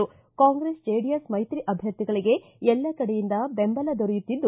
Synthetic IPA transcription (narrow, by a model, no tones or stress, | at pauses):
u | kaːŋɡɾesd͡ʒeːɖijɐsmɐjt̪ɾiʔɐbʱjɐɾt̪ːiɡɐɭiɡe̞ | ɛlːɐkɐɽejind̪ɐbembɐlɐd̪ɔɾɛjut̪ːid̪ːu